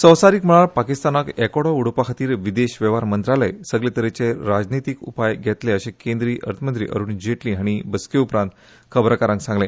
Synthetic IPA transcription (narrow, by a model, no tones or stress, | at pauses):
səwsaɾiːkm̤əɭ̃aɭpakist̪anakɛkoɽouɽopakʰat̪iːɾʋid̪eɕʋeʋaɾmənt̪ɾalə̰jsəɡlet̪əɾet͡seɾad͡znit̪ikṵpajɡʱɛt̪leəɕẽkẽnd̪ɾiːʔə̰ɾt̪ʰmənt̪ɾḭːʔə̰ɾuːɳd͡ʑeʈliaɽ̃ibəskeupɾãnt̪ | kʰəbɾakaɾãŋksãŋɡle